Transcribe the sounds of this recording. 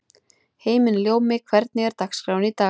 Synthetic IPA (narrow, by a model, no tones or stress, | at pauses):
heːjmɪnljoːwmɪkʰvɛɾt̪̚nɪɣɛɾ̥t̪akskɾawnit̪a